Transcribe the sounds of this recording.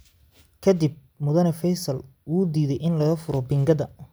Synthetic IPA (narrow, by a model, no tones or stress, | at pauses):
kʰɐd̪ib̚ | mʊðɐnɐfɛjsɐlwuːd̪iːðɛjʔɪnlɐɣɐfʊɾɔbɪŋɡɐðɐ